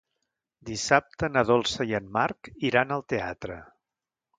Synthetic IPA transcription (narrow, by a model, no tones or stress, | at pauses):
d̪isap̚t̪ənəð̞ɔlˠsəjiənmarkiɾanəlˠt̪eat̪ɾə